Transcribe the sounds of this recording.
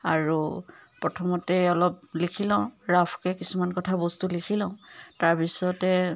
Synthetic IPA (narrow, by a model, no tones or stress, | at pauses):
aɹupɹɔtʰɔmɔtɛɔlɔp̚likʰilɔ̃ʊ̃ɹapʰkɛkisumankɔtʰabɔstulikʰilɔ̃ʊ̃taɹpisɔtɛ